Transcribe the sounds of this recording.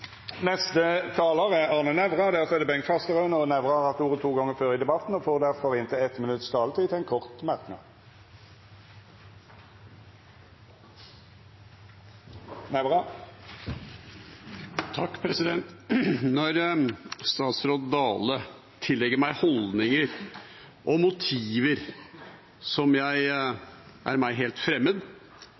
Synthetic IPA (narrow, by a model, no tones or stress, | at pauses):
nɛst̪ət̪ʰɑːloːʁəɑːnənɛʋʁɑd̪æʁsɔɛʁd̪ɛbɛŋfɑst̪əʁœʉnɔnɛʋʁɑɑʁt̪uːʁət̪ʰuːɡɔŋːəføːʁɪd̪ɛbɑt̪n̩ɔfoːʁd̪æʁfɔʁɪnt̪ʰɪɛt̪mɪnʉt̪st̪ʰɑːlət̪ʰiːt̪ʰɛnkʰɔʁt̪mæʁknɑ̰d̪ | næɪbʁɑ | t̪ʰɑkːpʰɾɛsɪd̪ɛnt̪nɔɾst̪ɑːt̪sɾoːd̪d̪ɑːlə | t̪ʰɪlːɛɡəɾmæɪhɔld̪nɪŋəɾ | ʔɔmʊt̪ʰiːʋəɾ | sɔmjæɪ | ʔæɾmæɪɦeːlt̪fɾɛmːəd̪